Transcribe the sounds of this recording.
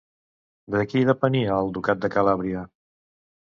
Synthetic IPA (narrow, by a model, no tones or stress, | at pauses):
d̪əkiðəpəniəːlˠd̪ukat̪̚d̪əkəlaβɾiə